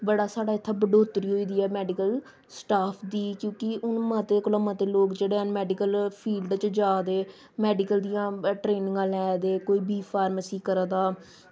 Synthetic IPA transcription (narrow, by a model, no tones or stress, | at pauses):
bəɽaːsaːɖaːɪt̪ʰːaːbəɖoːt̪ɾiːɦoːiːd̪iːɛːmɛːɖɪkəl | sʈaːpʰd̪iːkjõːkɪʊnmət̪eːkʊlãːmət̪eːloːkd͡ʒeːɽeːənmɛːɖɪkəlpʰiːlɖt͡ʃd͡ʒaːd̪eː | mɛːɖɪkəld̪ijãːʈɾeːnɪ̃ŋɡãːlɛːd̪eːkoːiːbiːpʰaːɾməsiːkəɾaːd̪aː